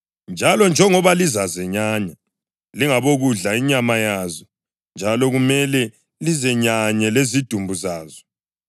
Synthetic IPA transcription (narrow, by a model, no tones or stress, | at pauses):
nd͡ʒʱalɔnd͡ʒʱɛŋɔβalizazɛɲaɲa | liŋaβoɣuɮaiɲamajazɔ | nd͡ʒʱalɔɣumɛlɛ | lizɛɲaɲɛlezid̥ʱumbʱuzaːzɔ̥